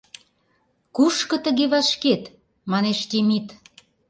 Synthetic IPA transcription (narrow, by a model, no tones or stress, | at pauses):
kuʃkɤ̆t̪ə̆ɣeβɑʃket̪ | mɑneʃt̪emit̪